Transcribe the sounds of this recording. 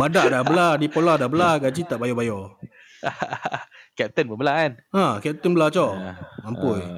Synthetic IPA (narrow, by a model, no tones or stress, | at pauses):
badaʔdabəladipoladahbəlaɡad͡ʒit̪aʔbajɔbajɔ | kɛp̚t̪ənbəbəlaanãkɛp̚t̪ənbəlat͡ʃɔʔampʊj